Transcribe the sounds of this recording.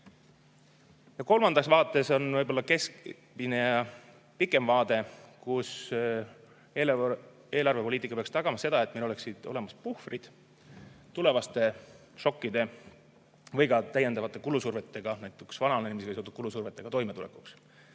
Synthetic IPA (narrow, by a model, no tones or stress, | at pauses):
jɑko̞lmɑnd̪̥ɑksvɑːt̪ːˑe̞so̞nvɯjbo̞lːɑke̞s | minejɑ | pikːˑe̞mvɑːd̪̥e̞kus | eːl | e̞ːlɑrve̞po̞liːt̪ikːˑɑpeɑkst̪ɑɡ̥ɑmɑse̞d̪ɑe̞t̪ːme̞lo̞le̞ksid̪̥o̞̰le̞mɑspuhfrid̪̥ | t̪ule̞vɑst̪e̞ | ʃo̞kːid̪̥e̞ | vɤjɡɑt̪æjend̪ɑvɑt̪ːˑe̞kulusurve̞t̪ːˑe̞ɡ̥ɑnæjt̪ːˑuksvɑnɑeenʲimiseɑsot̪ud̪̚kulusurve̞t̪ːˑe̞ɡ̥ɑt̪o̞jme̞t̪ulḛku̥ks